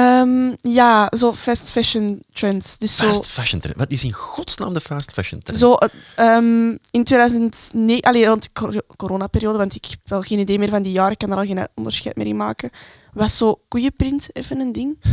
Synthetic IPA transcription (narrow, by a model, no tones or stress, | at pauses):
əːmjaːzoːfɛstfɛʃəntɹɛnsd̥ʏsːoːstfɛʃəntɾɛ̰nʋɑtɪsɪnɣɔtsna̰ːmdəfaːstfɛʃəntzoːʔəːmɪntweːdœːzəntneːʔaleːrɔntəkoɾoːnapeɾijoːdəʋɑntɪkɛ̥pʋɛlˠɣeːnideːmɪːrvɑndijaːɾəɪkːandəɾɑlˠɣeːnə̰ɔndərsxɛ̰jtmḛɾɪma̰ːkə | ʋɑsːoːkujəprɪntɛ̰fənəndɪŋ